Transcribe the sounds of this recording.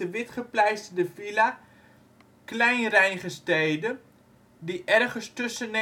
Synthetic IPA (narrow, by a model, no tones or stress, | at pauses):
əʋɪtχəplɛjstdəfila | klɛjnrɛjnχəstejdə | diʔɛrχəstɵsəne